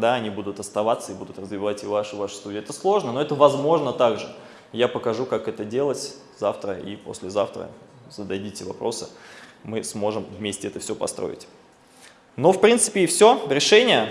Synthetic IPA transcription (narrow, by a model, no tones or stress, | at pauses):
d̪aɐnʲibud̪ʊt̪ɐst̪ɐvat̪səɪbud̪ʊt̪rəzvʲɪvatʲɪvaʂɨvaʂɨ̥st̪udʲɪːɛt̪əslˠo̞ʐnənoɛt̪əvɐzmo̞ʐnət̪aɡʐɨ | japəkɐʐukakɛt̪ədʲe̞lˠətʲ | zaft̪ɾəḭpo̞̰sʲlʲɪzaft̪ɾə̰ | z̥əd̪ɐdʲitʲɪvɐ̰pɾʔo̞sɨmɨsmo̞ʐɨmvmʲesʲtʲɪɛt̪əfsʲopɐ̰st̪ɾʔo̰ɪ̰tʲ | no̞fpɾʲint̪sɨ̥pʲɪːfsʲo̞ɾʲɪʂɛnʲɪjə